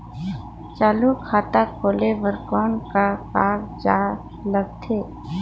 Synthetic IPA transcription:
t͡ʃaːlukʰaːt̪akʰoːleʋəɾkɔːnkakaːɾd͡ʒaː | ləɡ̚t̪ʰeː

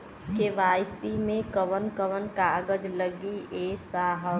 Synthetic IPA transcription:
keʋaːjsimẽkəʋənkəʋənkaːɡəd͡ʒləɡiesaːɦə

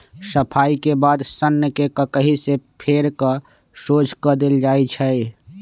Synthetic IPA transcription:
səpʰaːikebaːd̪sənːəkekəkəɦisepʰeːɾkə | soːd͡ʒkəd̪eld͡ʒaːit͡ʃʰɛi

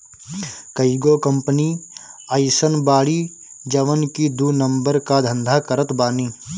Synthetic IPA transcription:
kɐiɡoːkɐ̃mpəniːəɪsənbaːɽiː | d͡ʒɐʋənkid̪uːnɐ̃mbəɾkad̪ʱɐ̃nd̪ʱakɐɾət̪baːniː

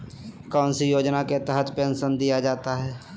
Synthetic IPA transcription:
kɔːnsijoːd͡ʒnaket̪əɦət̪pẽːnsənd̪ijad͡ʒaːt̪aɦɛː

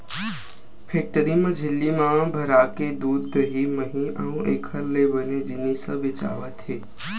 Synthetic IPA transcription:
pʰek̚ʈəɾimɐ̃d͡ʒʱɪlːimãbʱəɾaːked̪uːd̪ːəɦiməɦĩəũʔḛkʰəɾlebəned͡ʒɪnisəʋɪt͡ʃa̰ːʋət̪ɦeː

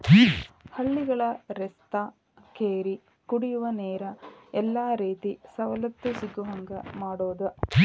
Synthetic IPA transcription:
hɐɭːiɡɐɭɐɾɛst̪aː | keːɾi | kuɽijuʋɐneːɾɐɛlːaːɾiːt̪isɐʋɐlɐt̪ːusiɡːuɦɐŋɡɐmaːɽoːd̪u

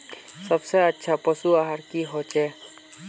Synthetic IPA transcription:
sʌbsejatːʃʰapɔsuaɦaɾkiɦɔt͡ʃʰɛ

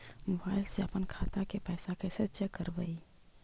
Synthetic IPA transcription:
mobaːɪlseɐpənkʰaːt̪akepɛːsakesətːt͡ʃakəɾbəi

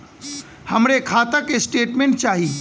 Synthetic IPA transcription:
həmɾekʰaːt̪əkesʈeːʈmẽɳʈ̚t͡ʃaːɦiː

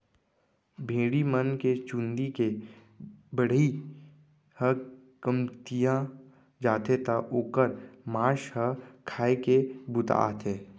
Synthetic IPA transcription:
bʱeːɽimənket͡ʃũnd̪ike | bəɽ̤i | hə | kəmt̪ijã | d͡ʒaːt̪et̪aʔoːkəɾmãːʃhəkʰaːekebʊt̪a̰ːt̪ʰeː

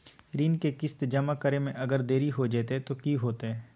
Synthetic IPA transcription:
ɾiːnkekɪst̪d͡ʒɐmakəɾemẽʔɐɡəɾd̪eːɾiɦod͡ʒeːt̪et̪okiːɦoːt̪eɦɛː

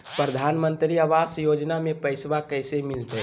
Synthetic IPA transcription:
pɾəd̪ʱanmə̃nt̪ɾiəʋasjod͡ʒnamepəɪsʋakəɪsemɪlt̪ɛ

